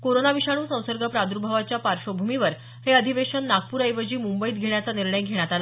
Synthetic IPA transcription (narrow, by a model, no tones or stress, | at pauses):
koɾonaʋiɕaɽ̃uːsə̃w̃səɾɡʱəpɾad̪uɾubʱaʋat͡ɕjapaɾʂobʱumiʋəɾ | heəd̪ʱiʋeɕənːaɡ̚puːɾəjʋəd͡ʑiːmumbəiːt̪ɡʱeɳ̃jat͡saniɾɳəjɡʱeɽ̃jat̪ala